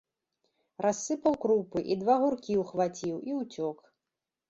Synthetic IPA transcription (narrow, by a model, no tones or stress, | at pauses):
rʔasːɨpɐwkɾupɨʔid̪vaɣurkʲiwxvat͡sʲiwiwt͡sʲɔk